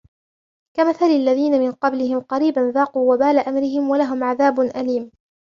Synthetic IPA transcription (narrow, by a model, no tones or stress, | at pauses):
kamaθalɪlːaðiːnamɪnqɑblɪhɪmqɑɾiːbanðaːquːwabaːlaʔamɾɪɦɪmwalaɦʊmʕaðaːbʊnʔaliːm